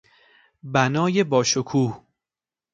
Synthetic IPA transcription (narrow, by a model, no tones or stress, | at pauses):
bænɒːje̞bɒːʃokʰuːh